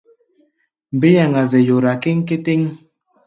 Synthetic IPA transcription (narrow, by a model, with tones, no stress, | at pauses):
m̩˨be˦ja˨ŋa˨zɛ˨jo˨ɾa˨ke˦ŋ̩˦ke˦te˦ŋ